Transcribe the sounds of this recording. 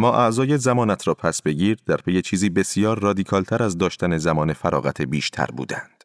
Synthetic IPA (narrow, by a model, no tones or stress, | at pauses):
mːɒːʔæʔzɒːjezæmɒːnæt̪ʰɾɒːpʰæsbe̞ɟiːɾd̪æɾpʰe̞je̞t͡ʃʰiːziːbe̞sijɒːɾːɒːd̪iːkʰɒːlt̪ʰæɾæzd̪ɒːʃt̪ʰæne̞zæmɒːne̞fæɾɒ̰ːɣæt̪ʰebiːʃt̪ʰæ̰ɾbṵːd̪æ̰nd̪̥